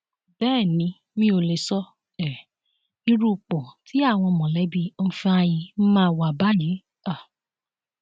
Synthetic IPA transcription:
bɛː˦˨nĩ˧˦ | mĩ˦o˧le˨˧sɔ˦ | ɛ˨ | i˧ɾu˧˨k͡pɔ̃˨ti˨˦a˦˨w̃ɔ̃˧mɔ̃˨lɛ˨˦bi˧o˧n̩˦fi˧a˧ji˧˦mãː˦˨wa˨ba˦ji˨˦ | a˦˨

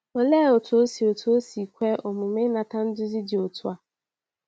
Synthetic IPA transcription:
o˨leː˦˨o˨tu˨o˦si˨o˨tu˨o˦si˨kʷe˦ʔo˨mʊ˨m˦ɪ˦na˨ta˦n̩˦dʊ˦zi˦di˨o˨tʊ˦a˨

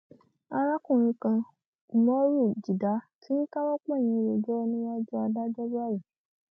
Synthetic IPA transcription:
a˧ɾa˦kũ˦˨ɾ̃ĩ˧kã˧˨ | mɔ̃˦ɾu˦˨d͡ʒi˨da˨˦tʰi˦n̩˦ka˦wa˦k͡pã˦˨j̃ĩ˧˦˧ɾo˧d͡ʒɔ˦nĩ˦wa˦d͡ʒɔ˦a˧da˦d͡ʒɔ˦ba˦˨ji˨

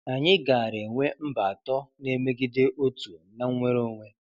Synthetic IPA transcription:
a˨ɲɪ˦ɡa˨a˨ɾe˨ŋʷe˦m̩˦ba˨tɔ˦ne˦me˦ɡi˦de˦ʔo˦tu˨na˦ŋ˦ŋʷe˦ɾo˦ŋʷe˦

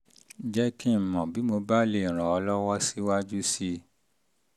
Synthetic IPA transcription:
d͡ʒɛ˦ki˦˨mɔ̃˨bi˨˦mo˧ba˦le˦˨ɾ̃ã˨ɔ˧lɔ˦wɔ˦si˦wa˦d͡ʒu˦si˦˧

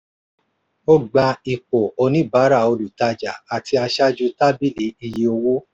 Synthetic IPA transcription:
o˦ɡ͡ba˧i˨k͡po˨o˧nĩ˦ba˨˦ɾa˦˨o˧lu˨ta˧d͡ʒa˨a˨ti˧a˧ʃa˦d͡ʒu˧ta˦bi˦˨li˨˦i˧ji˧o˧wo˦

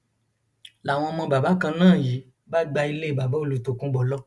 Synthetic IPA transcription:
la˨w̃ɔ̃˧ɔ˧mɔ̃˧ba˨ba˨˦kã˧nãː˦˨ji˨˦ | ba˦ɡ͡ba˧i˧le˦˨ba˨ba˨˦o˦˨lu˨to˨kũ˦bɔ˨˦lɔ˦

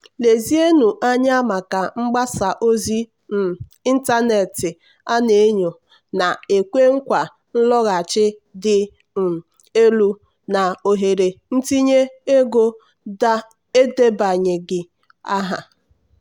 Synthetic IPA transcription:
le˨zi˦e˦nu˨ʔa˦ɲa˦a˦ma˨ka˨ŋ͡m̩˦ɡ͡ba˦sa˨ʔo˦zi˦ | m̩˨i˦n̩˦ta˦ne˨tɪ˨ | a˦ne˨˦ɲo˨ | na˨e˨kʷe˦ŋ̩˦kʷa˨ | n̩˦lɔ˦ɣa˨t͡ʃɪ˦dɪ˦˨ | e˦lu˦ | na˨o˨ɦe˨ɾe˨n̩˦ti˦ɲe˦e˦ɡo˦ | a˦ | e˦de˦ba˨ɲe˨ɡɪ˨ | a˦ɦa̰˨

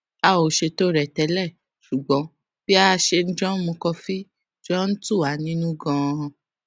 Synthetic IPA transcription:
a˧o˨ʃe˧to˦ɾɛ˨tɛ˨˦lɛ˦˨ | ʃu˨ɡ͡bɔ̃˨˦ | b̥i˦a˦˧ʃe˧n̩˦d͡ʒɔ̃˦mũ˧kɔ˧fi˦ | d͡ʒɔ̃˦n̩˦tu˦˨a˨˦nĩ˦nũ˦ɡã˧˨

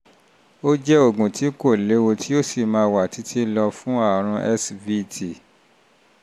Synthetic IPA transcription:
o˦d͡ʒɛ˦o˦˨ɡũ˨ti˨˦ko˦˨le˨˦wo˧tʰi˦o˦si˨mãː˧wa˨ti˨˦tʰi˦lɔ˧fũ˦a˦˨ɾ̃ũ˧ʔɛ˦svi˦tʰi˦˨

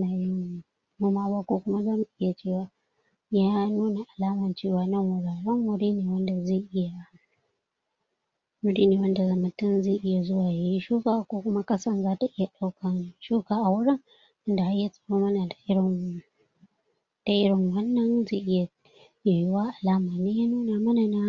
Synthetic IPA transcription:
naː˨jɪ˦ŋ | mʊ˦maː˦waː˦kʷoː˦kʷʊ˦ma˦zaː˦mu˨ʔɪ˦ja˨t͡ʃeː˦˨waː˨ | jaː˦nuː˦na˨ʔa˨laː˦mɐ˨nt͡ʃeː˦˨waː˨nɐ˦ŋwʊ˨ɽaː˨ɽɐ˦ŋwʊ˦ɽiː˦neː˨wɐ˦nda˨ze˦˨ʔɪ˦ja˨ | wʊ˦ɽi˦neː˨wɐ˦nda˨zɐ˨mɐ˨tːɪ˦n˦zeː˦˨ʔɪ˦ja˨zʊ˦waː˨ja˦ji˦ʃuː˦kaː˦˨kʷoː˦kʷʊ˦ma˦kʼɐ˦sɐ˦nzaː˦ta˨ʔɪ˦ja˨ɗa˦wkɐ˨nʃuː˦kaː˨ʔa˨wʊ˦ɽɪ˦ŋ | ʔɪ˦nda˨ha˦jːa˦sʼɪ̥˨ɽoː˦mɐ˦na˨da˨ʔɪ˦ɪ˨ | d̥a˨ʔɪ˦ɽɪ˨ŋwɐ˦nːɐ˦nzeː˦˨ʔɪ˦ja˨ | ja˨ji˦waː˦ʔa˨laː˦maː˨neː˦jaː˦nuː˦na˨mɐ˦na˨na˦

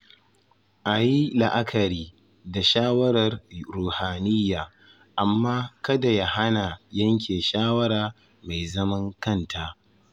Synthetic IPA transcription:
ʔa˨ji˦la˨ʔa˦kʰɐ˨ɾiː˦ | da˨ʃaː˦wɐ˦ɾɐ˨rɾuː˨haː˨nɪ˦jːaː˨ | ʔa˨mːaː˦kɐ˦da˨ja˦ha˦na˨jɐ˦ŋkʲʰeː˨ʃaː˦wɐ˦ɾaː˨ | ma˨jzɐ˦mɐ˦ŋkɐ˦ntʰa˦ʔ

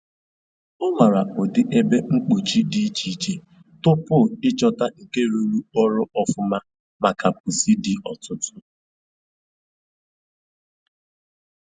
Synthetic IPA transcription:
ʊ˦ma˨ɾa˨o˨dɪ˨ʔe˦be˦ŋ͡m̩˦k͡po˨t͡ʃi˦di˦t͡ʃi˨t͡ʃi˨ | tʊ˦pʊ˦˨ɪ˦t͡ʃɔ˦ta˦ŋ̩˨ke˦ɾu˦ɾu˦ɔ˦ɾʊ˦ʔɔ˦fʊ˦ma˦ | ma˨ka˨p̚ʊ˨si˦dɪ˨ɔ˨tʊ˦tʊ˦

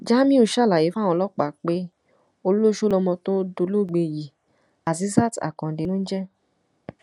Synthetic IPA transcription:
d͡ʒa˦mĩ˦u˦˨ʃa˦˨la˨je˨˦fa˦˨w̃ɔ̃˧˦lɔ˦k͡pa˨k͡pe˦ | o˧lo˦ʃo˦lɔ˧mɔ̃˧tõ˦do˧lo˦˨ɡ͡be˧˨ji˨ | a˨zi˨˦za˦˨ta̰˨kɔ̃˨de˨˧nõ˦n̩˦d͡ʒɛ˦

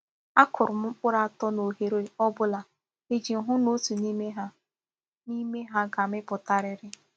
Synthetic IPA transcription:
a˦kʰʊ˨ɾʊ˨m̩˦k͡pʊ˦ɾa˦a˦˨tɔ˦no˨ɦe˨ɾe˨ɔ˦bʊ˦la˨ | e˦d͡ʒi˨n̩˨ɦʊ˦no˦tu˨ni˦me˦ɦa˦ | ni˦me˦ɦa˦ɡa˨mɪ˦pʊ˨ta˦ɾɪ˦ɾɪ˦

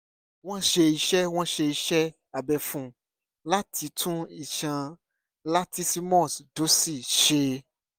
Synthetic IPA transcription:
w̃ɔ̃˦ʃe˧i˧ʃɛ˦w̃ɔ̃˦ʃe˧i˨ʃɛ˦ | a˨bɛ˨fũ˨ | la˦tʰi˨˧˦tʰũ˦i˨ʃã˧ | la˦tʰi˦si˦mɔ̃˦˨sdo˨˦si˦˨ʃe˧

